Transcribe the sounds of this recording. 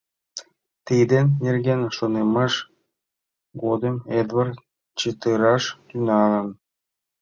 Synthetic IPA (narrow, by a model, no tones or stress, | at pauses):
t̪ijd̪ʲenʲːerɡʲenʲʃɤ̆nemɤʃ | ɡod̪ɤmʲed̪vɑr | t͡ɕet̪ɯɾɑʂt̪ynɑlɤ̆n